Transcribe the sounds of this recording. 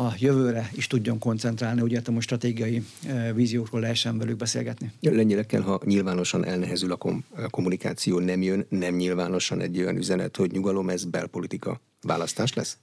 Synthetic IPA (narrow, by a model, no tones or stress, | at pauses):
ɒjøvøːɾɛiʃt̪uɟːo̞ŋko̞nt̪sɛnt̪raːlniuɟet̪ɛmoʃt̪rɒt̪eːɡijɒjiviːzijoːkroːlːɛɦɛʃːɛɱvɛlyɡ̚bɛsḛːlɡɛt̪nilɛɲːɛlɛkːɛ̰lɦɒɲilvaːno̞ʃɒnʔɛlnɛɦɛzylɒko̰ko̞mːunika̰ːt̪sijoːnɛmjønːɛmɲilvaːno̞ʃɒnʔɛ̰ɟːo̞jɒ̰nyzɛnɛ̰t̪ho̞ɟɲuɡɒlo̞mɛzbɛ̰lpo̞lit̪ikɒ̰ | va̰ːlɒst̪aːʃlɛ̰s